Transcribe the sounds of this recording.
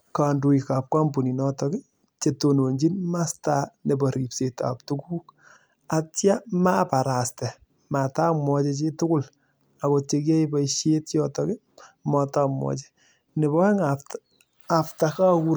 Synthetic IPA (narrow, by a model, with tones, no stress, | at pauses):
ka˨ndu˧ika˨p̚kwa˦mbu˨ni˨nɔtɔkɪ˦ | t͡ʃe˨to˨no˨ɲd͡ʒi˦nma˦stane˨bɔ˨ɾi˨pseta̰p̚tukuː˦k̚ | a˨tja˦mapa˨ɾa˨stɛ˨ | ma˨ta˦mwɔ˧t͡ʃɛ˧t͡ʃe˦tʊ˦kʊ˦l | a˨ko˧t͡ʃe˧k̬jɛ˦ibɔiʃje˦tjɔ˦tɔ˦kɪ˦ | mɔ˧ta˦mwɔ̰˨t͡ʃɛ̥ | ne˨bɔ˦ɛ˦ŋa˨ft | a˨ftaka˦ku